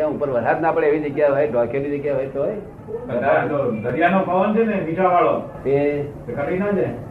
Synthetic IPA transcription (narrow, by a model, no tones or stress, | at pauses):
ãupəɾʋəɾɦat̪napəɽeeːʋid͡ʒəɡjaɦojd̪ʱɔkʰelid͡ʒəɡjaɦojt̪oj | kəd̪at͡ʃt̪od̪əɾijanopaʋənt͡ʃʰenẽʋʱit͡ʃaʋaɭo | t̪e | ekʰəʈinad͡ʒe